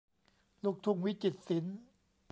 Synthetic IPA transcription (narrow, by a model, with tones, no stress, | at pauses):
lu˦˩k̚t̪ʰu˧ŋwi˦˥t͡ɕi˨˩t̪̚si˩˦n | p